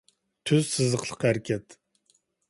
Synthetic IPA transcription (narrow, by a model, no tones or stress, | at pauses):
t̪ʰyz̥sɨzəqʰlˠəqhæɾkʲʰɛt̪